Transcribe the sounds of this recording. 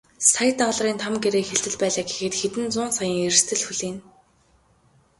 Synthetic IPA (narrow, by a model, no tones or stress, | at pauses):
sajt̪aɮriːnt̪ʰamɡeɾeːxeɮt̪ɘ̆ɮpæːɮaːɡe̥xɘ̆t̪xet̪ɘ̆nt͡sʊːnsajə̆ŋer̆st̪ʰɘ̆ɮxuɮiːn